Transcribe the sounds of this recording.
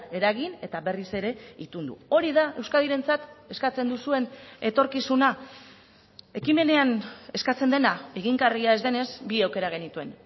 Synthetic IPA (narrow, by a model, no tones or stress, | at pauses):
e̞ɾaɣine̞t̪aβe̞rise̞ɾe̞it̪und̪ṵo̞ɾiðae̞wskaðiɾe̞nt͡sat̪e̞skat͡se̞nd̪usue̞ne̞t̪o̞ɾkisuna | e̞kime̞ne̞ane̞skat͡se̞nd̪e̞nae̞ɣiŋɡariae̞zd̪e̞ne̞sbiawke̞ɾaɣ̞e̞nit̪ue̞n